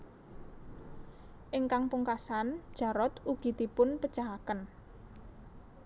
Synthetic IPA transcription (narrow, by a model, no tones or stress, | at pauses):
ʔɪŋkaŋpuŋkasand̥ʒ̥a̤ɾɔt̪uɡ̥i̤d̪̥i̤pʊnpə̥ʒ̥aɦakən